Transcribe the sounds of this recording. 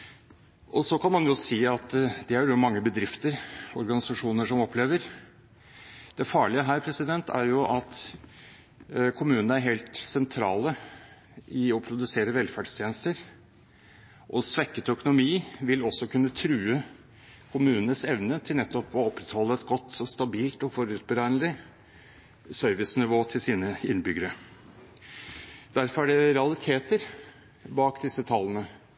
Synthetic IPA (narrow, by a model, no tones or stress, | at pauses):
ʔɔsɔkʰɑnmɑnjʊsiːɑt̪d̪ɛæɾjʊmɑŋːəbəd̪ɾɪft̪əɾɔɾɡɑnɪsɑʂuːnəʂɔmɔpʰːleːʋəɾ | d̪ɛfɑːɭɪəɦæːɾpʰɾɛsɪd̪ɛnt̪ʰæ̰ɾjʊʔɑt̪ | kʰʊmʉːnənəæɾɦeːlt̪sɛnt̪ʰɾɑ̰ːlə | ɪɔpʰɾʊd̪ʉseːɾəʋɛlfæːɖst̪ʰjeːnəst̪əɾ | ʔɔsʋɛkːət̪œkʊnʊmiːʋɪlɔsːɔkʰʉnːət̪ʰɾʉːə | kʰʊmʉːnənəsɛʋnət̪ʰɪlnɛt̪ːɔpɔɔpːɾɛt̪hɔlːəɛt̪ɡɔt̪ːɔst̪ɑbiːlt̪ɔfɔɾʉːt̪̚bəɾænlɪ | sœɾʋɪsnɪʋoːt̪ʰɪlsiːnəɪnbʏɡəɾə | d̪̥æɾfɔɾæɖɛɾɛɑlɪt̪ʰeːt̪əɾ | bɑːkd̪ɪsːət̪ʰɑlːənə